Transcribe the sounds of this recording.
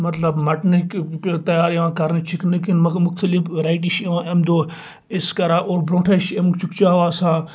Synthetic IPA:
mɐt̪lɐbmɐʈnekt̪ɐjaːɾeʋãːkɐɾnit͡ʃʰiknekinmmʊxt̪əlifɾaːiʈ̬iʃeʋãːʔemd̪oː | eskɐɾaːʔoːɾbɾõːʈʰaʃemt͡ʃʊkt͡ʃaːʋaːsãː

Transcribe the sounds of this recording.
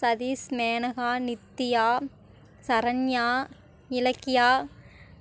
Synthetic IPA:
sɐðiːsmeːnɐɣaːnɪt̪ːɪjaː | sɐɾɐnjaː | nɪlɐkːɪjaː

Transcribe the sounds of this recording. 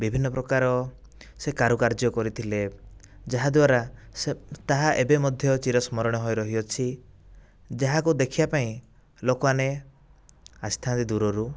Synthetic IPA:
bibʱinːɔpɾɔkaɾɔ | sekaɾukaɾd͡ʒɔkɔɾit̪ʰiled͡ʒaɦad̪waɾa | t̪aɦaʔebemɔd̪ʱjɔt͡ʃiɾɔsmɔɾɔɽ̃ɔɦɔjɾɔɦiɔt͡ʃʰi | d͡ʒaɦakud̪ekʰiapaĩ | lokɔane | ast̪ʰant̪id̪uɾɔɾu

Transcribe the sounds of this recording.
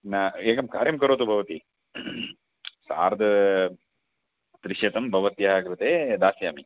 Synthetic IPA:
naeːkɐmkaːɾjɐmkɐɾoːt̪ubʱɐʋɐt̪i | sa̰ːɾd̪ɐ | t̪ɾɪʃɐt̪ɐmbʱɐʋɐt̪jɐɦaːɡɾɐt̪eːd̪aːsjaːmi

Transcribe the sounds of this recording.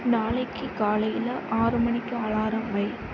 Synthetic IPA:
naːlɐɪkʰːɯkaːlɐjɪlɐʔaːɾɯmɐɳɪkːɯaːɭaːɾɐmbɐɪ

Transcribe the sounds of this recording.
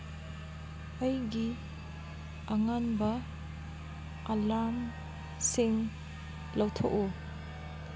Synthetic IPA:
ʌjɡi | aŋanbɐ | alam | siŋ | lɐwtʰoku

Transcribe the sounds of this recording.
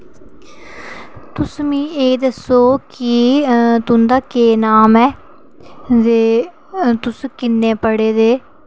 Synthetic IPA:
t̪ʊsmĩːeːd̪əsoːkit̪ʊnd̪aːkeːnaːmɛː | d̪eː | t̪ʊskɪnːeːpəɽeːd̪eː

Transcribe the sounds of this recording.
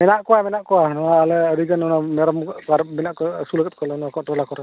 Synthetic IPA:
mɛnaʔkɔwamɛnaʔkɔwanɔwaːlɛəɾiɡanɔnamɛɾɔmɡkaɾmɛnaʔkɔsuləɡɛt̚kʰɔlɛnɔwakɔntɾɔlakɔɾa

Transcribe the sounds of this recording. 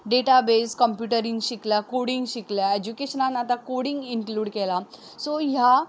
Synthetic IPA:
ɖeʈabeskəmpjuʈəɾĩŋɡɕikljakoɽiŋɡɕikljaed͡ʑukeɕənãnat̪akoɽĩŋɡiŋkluːɽkɛla | sɔja

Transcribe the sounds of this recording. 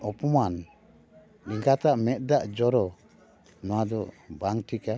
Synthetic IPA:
ɔpɔman | liŋɡat̪aʔmɛt̪̚ˀdaʔd͡ʒɔɾɔ | nɔwad̪ɔbaŋtʰika

